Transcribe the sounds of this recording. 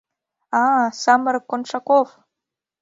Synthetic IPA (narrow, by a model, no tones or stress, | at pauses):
asaməɾkːonʂakof